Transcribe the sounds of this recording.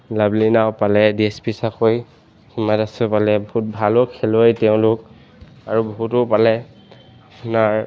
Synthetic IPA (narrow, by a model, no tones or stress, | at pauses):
lablinaʊpalɛdiespisakoj | himatasɛpalɛbɔɦut̚bʱalɔkʰelojtɛʊ̃lʊk | aɹubɔɦutɔpalɛ | apʊnaɹ